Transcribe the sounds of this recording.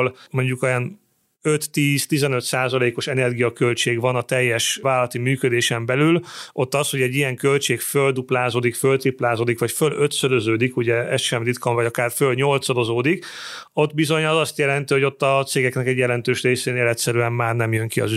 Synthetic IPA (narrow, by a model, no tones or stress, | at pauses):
lmo̞ɲɟukjɛn | øt̪ːiːzt̪izɛnø̞t̪saːzɒleːko̞ʃɛnɛrɡijɒkø̞lt͡ʃeːɡvɒnɒt̪ɛjːɛʃvaːlːɒt̪imyːkød̪eːʃɛmbɛlylo̞t̪ːɒsho̞ɟɛɟːijɛŋkø̞lt͡ʃeːkføld̪uplaːzoːd̪ikfølt̪riplaːzoːd̪ikʋɒcføløt̪sød̪øzøːd̪ikuɟɛɛsʃɛmd̪it̪kɒɱvɒɟɒkaːrfølɲo̞lt̪sɒd̪o̞zoːd̪iko̞t̪bizo̞ɲɒzɒst̪jɛlɛn̪t̪iɦo̞ɟo̞t̪ːɒt̪seːɡɛknɛkɛɟjɛlɛnt̪øːʃreːseːneːlɛt̪sɛɾyɛmːaːrnɛmjøŋkiɒ̰zy